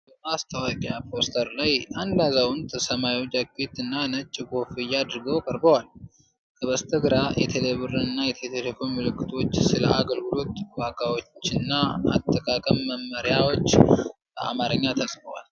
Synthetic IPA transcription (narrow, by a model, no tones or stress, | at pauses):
bəmast̪ʰəwakʼjapʰo̞st̪ʰəɾlajʔand̪azawʊnt̪ʰʼsəmajwot͡ʃːaɡit̪ɨnːanət͡ʃʼːɡo̞fɨjːad̪ɨɾɡəwkʼəɾbəwal | kʰəβəst̪ʰəɡɨɾajɛ̰t̪ʰeleβɨɾɨɨnːajɛt̪ʰelelefo̞nmɨlɨkːɨt̪ʰo̞t͡ʃːsɨlə̰ʔaɡəlɡɨlo̞t̪waɡawo̞t͡ʃːɨnːaa̰t̪ʼːəkʼakʼəmːəmːəɾijawo̞t͡ʃː | əa̰maɾəɲːat̪ʰəsʼfəwa̰l